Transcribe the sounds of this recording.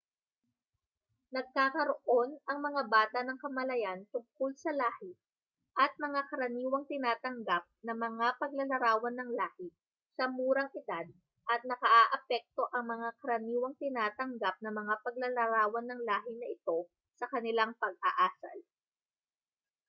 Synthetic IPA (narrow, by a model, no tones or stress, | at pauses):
nɐɡ̚kaːkɐɾoʔo̞nɐŋmɐŋabaːt̪ɐnɐŋkɐmɐlɐjant̪ʊŋkolsɐlaːhɪ | ʔɐt̪̚mɐŋakɐɾɐniːwɐŋt̪ɪnaːt̪ɐŋɡap̚nɐmɐŋapɐɡ̚lɐlɐɾaːwɐnːɐŋlaːhɪ | sɐmuːɾɐŋʔɪd̪ad̪̚ | ʔɐt̪̚nɐkɐʔaʔɐpɛk̚t̪o̞ʔɐŋmɐŋakɐɾɐniːwɐŋt̪ɪnaːt̪ɐŋɡap̚nɐmɐŋapɐɡ̚lɐlɐɾaːwɐnːɐŋlaːɦɪnɐʔɪt̪o̞ | sɐkɐnɪlaŋpɐɡ̚ʔaʔaːsɐ̰l